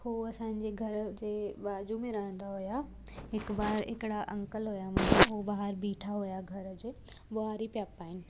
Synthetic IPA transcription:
huɐsãːɲ̆d͡ʑeɡʱɐɾd͡ʑeːbaːd͡ʑumẽɾɐɦə̃nd̪aɦʊja | ɪkbaːɾɪ̰kɪɽaʔɐ̃ŋkəlɦojamɐ̃ɦobaːɦəɾbiːʈʰaɦojaɡʱɐɾd͡ʑeːboɦaːɾipijaːpaːɦɪnɪ̆

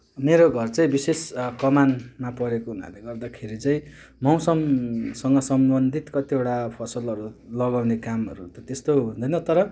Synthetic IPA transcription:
meɾoɡʱʌrt͡sʌĩbiseskʌmanmapʌɾekoɦuna̰leɡʌrd̪akʰeɾit͡sʌĩ | mʌw̃sʌmsʌŋɡʌsʌmbʌnd̪ʱit̪kʌt̪ieʈapʰʌsʌlʌɾulʌɡawnekamɦʌ̰ɾut̪ʌt̪est̪oɦund̪ʌjnʌt̪ʌɾʌ

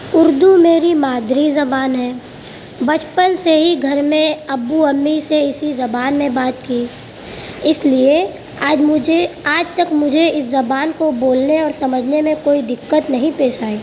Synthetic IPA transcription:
ʊɾd̪umeːɾimaːd̪ʱɾizɐbaːnɦɛː | bɐt͡ʃpənseɦiɡʱɐɾmẽɐbuəmːiseɪsizɐbaːnmẽbaːt̪kiː | ɪslie | aːd͡ʒmʊd͡ʒʱeaːd͡ʒt̪ɐkmʊd͡ʒʱeɪszɐbaːnkoboːlneɔːɾsɐməd͡ʒʱnemẽkoːid̪ɪkːət̪nɐɦĩpeːʃaːiː

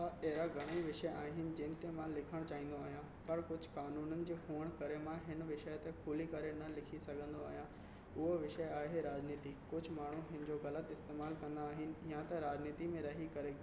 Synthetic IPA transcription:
aɛɦɪɾaɡʱɐɽ̃iʋɪʃəaːɦɪnɪ̆d͡ʑɐ̃ːnɪ̆t̪emãlɪkʰəɽ̃t͡ɕaːɦĩːn̆d̪oaːɦijã | pɐɾkʊd͡ʑ̆ʱkaːnuːnənɪ̆d͡ʑeːɦuːəɽ̃kɐɾemãɦɪnʋɪʃəjt̪ekʰuːlikɐɾenɐlɪkʰisɐɡʱə̃nd̪oaːɦijã | ʊɦoʋɪʃəjaːɦeɦeɾaːd͡ʑniːt̪ikʊd͡ʑʱʊ̆maːɳ̤uɦɪnɪ̆d͡ʑoɣɐlət̪ɪst̪eːmaːlkɐ̃nd̪aaːɦɪnɪ̆jãt̪ɐɾaːd͡ʑniːt̪imẽɾɐɦikɐɾe

